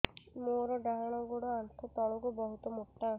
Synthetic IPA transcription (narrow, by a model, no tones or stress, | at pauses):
moɾɔɖaɦaɽ̃ɔɡoɽɔant̪ʰɔt̪ɔɭɔɡubɔɦut̪ɔmuʈːa